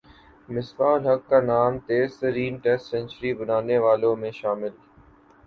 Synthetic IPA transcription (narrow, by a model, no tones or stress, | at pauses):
mɪsbaːlɦɐkːaːnaːmt̪eːsəɾiːnʈeːsʈsɛ̃ɲʲt͡ʃəɾibənaːneʋaːlõmẽːʃaːmɪl